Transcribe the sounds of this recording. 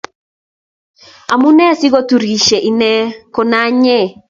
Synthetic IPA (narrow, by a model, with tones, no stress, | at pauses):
a˨mu˦nɛ˦si˦ɣo˦tu˨ɾi˨ʃɛ˨ʔi˨nɛ˦ko˨na˦ɲɛ˦˨